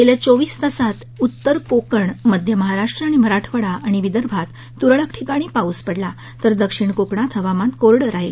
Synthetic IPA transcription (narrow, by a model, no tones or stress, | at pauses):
k̪elat͡soʋiːst̪əsat̪ | ut̪ːəɾkokəɳməd̪ʱjəməɦaɾaʂʈɾəaɽ̃im̤əɾaʈʰʋəɽaʔːɽ̃iʋid̪əɾbʱat̪ːuɾɭəkʈʰikaɽ̃iːpauːspəɽla | t̪əɾd̪əkʂiɳkokɳat̪ʰɦəʋamãnt̪koɾɽəɾaɦil